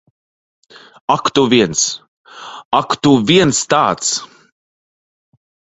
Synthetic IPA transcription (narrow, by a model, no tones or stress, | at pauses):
akt̪uvʲiɛns | akt̪uviɛnst̪aːt̪s